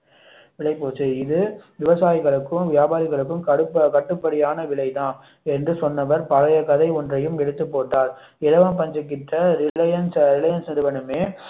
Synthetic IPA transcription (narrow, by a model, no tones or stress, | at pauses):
ʋɪɭɐɪpoːt͡ʃːɯɪðɯʋɪʋɐsaːjɪɣɐɭɯkːɯmʋɪjaːbaːɾɯɣɐɭɯkːɯmkɐɽɯpːkɐʈːɯpːɐɽɪjaːnɐʋɪɭɐɪt̪ãːn | ɛndrɯsɔnːɐʋɐɾpɐɾɐjɐkɐðɐɪɔndrɐjɯmɛɽɯt̪ːɯpːoːʈːaːɾ | ɪlɐʋɐmpɐɲd͡ʒɐkːɪʈːɐɾɪɐjɐnsɾɪlɐjɐnsnɪɾɯʋɐnɯmeː